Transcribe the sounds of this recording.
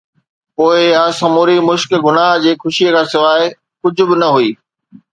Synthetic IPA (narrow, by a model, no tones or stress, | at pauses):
poːɪɪɦasɐmuːɾimʊʃkɡʱʊnaːɦd͡ʑeːxʊʃiekʰãːsɪʋaːɪ | kʊd͡ʑʱʊ̆bɪnɐɦuiː